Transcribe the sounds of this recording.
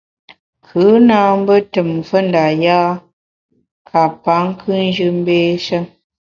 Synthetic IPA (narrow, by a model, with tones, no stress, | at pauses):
kʰɨ˨˦na˦m̩˦bə˦tə˨m˨fə˦n˨da˨jaː˦ | kʰa˨pa˨˦ŋ̩˦kʰɨ˦n˦d͡ʒɨ˦m̩˦beː˦ʃə˦ŋ